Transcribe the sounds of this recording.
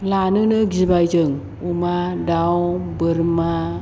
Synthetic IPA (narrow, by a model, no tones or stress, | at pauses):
lanənəɡibajd͡ʒəŋ | umadawbəɾma